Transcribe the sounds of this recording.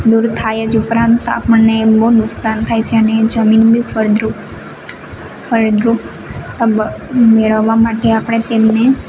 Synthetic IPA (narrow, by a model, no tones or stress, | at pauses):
d̪uɾt̪ʰajed͡ʒupɾãnt̪a̰pəɳneboɦnʊksant̪ʰajt͡ʃʰeəned͡ʒəminbifʰəɾd̪ɾu | fʰəɾd̪ɾu | t̪əbmeɭəʋːamaʈeapɽ̃et̪emne